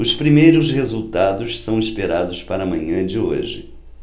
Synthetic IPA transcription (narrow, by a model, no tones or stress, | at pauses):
ʊspɾimejɾʊshezuwt̪ad̪ʊssɐ̃w̃ispeɾad̪ʊspaɾɐmɐ̃ɲɐ̃d͡ʒɪo̰ʒɪ̰